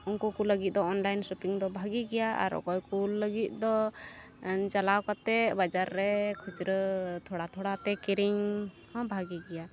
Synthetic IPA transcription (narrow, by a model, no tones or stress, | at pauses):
ɔnkukuləɡit̪̚ˀd̪ɔɔnlajnsɔpiŋd̪ɔbʱaɡiɡɛjaʔa̰ɾɔ̰kɔjkulːəɡit̪̚ˀd̪ɔ | t͡ʃalawkat̪ɛbad͡ʒaɾːɛkʰud͡ʒɾət̪ʰɔɽat̪ʰɔɽat̪ɛkiɾiŋ | hɔ̃bʱaɡiɡɛja